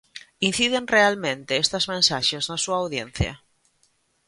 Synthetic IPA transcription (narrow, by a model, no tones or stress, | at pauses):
in̟θið̞enrealmẽnt̪eest̪ɐzmẽnsaʃeznasuaawðjen̟θjɐ̰